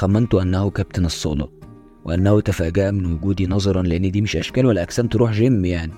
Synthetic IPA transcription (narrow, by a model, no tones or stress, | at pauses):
xæmːænt̪oʔænːæhukæb̚t̪enesˤːoːlɑ̰ | weʔænːæhut̪æfæːɡæʔæmɪnwʊɡuːd̪iːnɑzˤɑɾˤɑnleʔenːd̪iːmɪʃʔæʃkæːlwælːæʔæksæːmt̪eɾuːħʒemːjaʕni